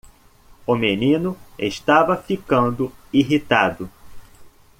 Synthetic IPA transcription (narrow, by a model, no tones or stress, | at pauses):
ʊmenĩnʊḛʃt̪avɐfikɐ̃nd̪ʊiɦit̪ad̪ʊ